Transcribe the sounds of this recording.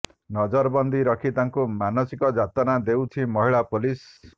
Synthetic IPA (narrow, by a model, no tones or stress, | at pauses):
nɔd͡ʒɔɾbɔnd̪iɾɔkʰit̪aŋkumanɔsikɔd͡ʒat̪ɔnad̪ewt͡ʃʰimɔɦiɭapolis